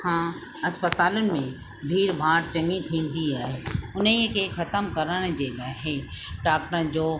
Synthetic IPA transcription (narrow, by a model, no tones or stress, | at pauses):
hãː | ɐspət̪aːlənɪ̆mẽ | bʱiːɾbʱãːʈt͡ɕɐ̃ŋit̪ʰĩːn̆d̪iaːɦeːʊnikʰexɐt̪əmkɐɾəɽ̃d͡ʑeːɡaːɦe | ɖaːk̚ʈəənd͡ʑoː